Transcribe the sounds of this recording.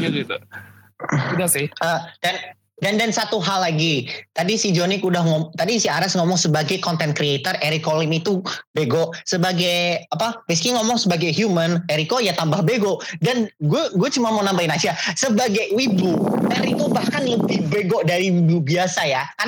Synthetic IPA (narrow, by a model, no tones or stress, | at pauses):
aɡit̪u | idasɪhʔədan | dandansat̪uɦalːaɡit̪adisid͡ʒonikudahŋɔt̪adisiaɾasŋɔmɔŋsəbaɡajkɔnt̪ɛnkɾiet̪ərʔeɾikolimit̪ubeɡɔʔsəbaɡajapaməskiŋɔmɔŋsəbaɡajɦjuməneɾikojat̪ambahbeɡɔʔdanɡuaɡuat͡ʃumamonambainasiasəbaɡajwibuɛɾit̪ubahkanləbihbeɡoʔdaɾiwibubiasajaka